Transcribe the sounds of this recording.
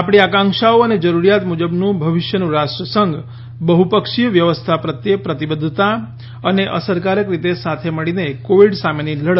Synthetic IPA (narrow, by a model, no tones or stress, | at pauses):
apɽ̃iakãŋkʃaoəned͡ʒəɾuɾjat̪mud͡ʒəbnũbʱəʋɪʃjənũɾasʈɾəsəŋɡ | bəɦupəkʃijəʋjəʋəst̪ʰapɾət̪jepɾət̪ibəd̪ʱt̪a | əneʔə̰səɾkaɾəkɾit̪esat̪ʰeməɭinekoʋiɖsameniləɽ